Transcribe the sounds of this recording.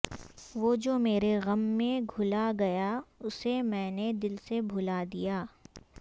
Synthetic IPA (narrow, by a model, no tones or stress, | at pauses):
ʋoːd͡ʒoːmeːɾeɣɐmːẽɡʱʊlaɡɐjaʊsemɛ̃ːned̪ɪlsebʱʊlad̪ijaː